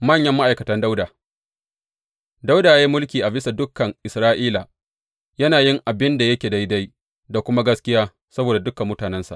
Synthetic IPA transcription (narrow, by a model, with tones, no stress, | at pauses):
mɐ˦˨ɲjɐ˦mːa˦ʔa˨jkɐ˨tɐ˦nda˦wdaː˨ | da˦wdaː˨jaː˦i˦mʊ˦lkʲiː˨ʔa˨bɪ˦sa˨dʊ˦kːɐ˨ŋʔɪ˨sɾaː˦ʔiː˦la˨ | jɐ˦naː˨jɪ˦ŋʔa˨bɪ˦nda˨jɐ˦kʲeː˨da˦jda˦j | da˨kʷʊ˦ma˦ɡɐ˦skʲɪ˦jaː˦ | sɐ˦boː˨da˨dʊ˦kɐ˨mːʊ˦taː˨nɛ˦nsa̰˨ʔ